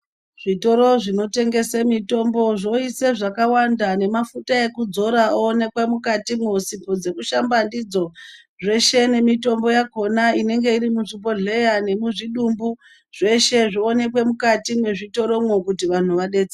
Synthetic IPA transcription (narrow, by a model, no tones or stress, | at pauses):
ʐ̥ito̞ɾo̞ʐino̞te̞ŋɡe̞semito̞mbo̞ʐo̞iseʐakawandane̞mafutae̞kud͡zo̞ɾaoːne̞kwemukatimwosipod͡ze̞kuʃambandid͡zo̞ | ʐe̞ʃe̞ne̞mito̞mbo̞jako̞naine̞ŋɡe̞iɾimuʐipo̞ɮe̞jane̞muʐiɗumbu | ʐe̞ʃe̞ʐione̞kwe̞mukatimwe̞ʐito̞ɾo̞mwokutiʋan̤uʋaɗet͡se